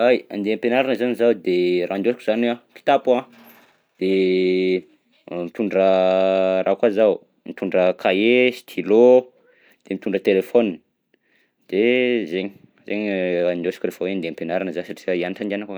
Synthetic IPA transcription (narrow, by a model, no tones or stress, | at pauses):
aja̰nd̪eampenaɾanəzanizawd̪erand̪osi̥kuzanaki̥t̪apã | d̪̥e | mit̪uɳɖ͡ʐə | rakazaw | mit̪uɳɖ͡ʐəkʰaesi̥t̪ʰilo | d̪̥emit̪uɳɖ͡ʐət̪elefoni | d̪̥ezeɲ | zeɲand̪osi̥kurefəweand̪eampenaɾanəzasaʈ͡ʂiaianiʈ͡ʂand̪anaka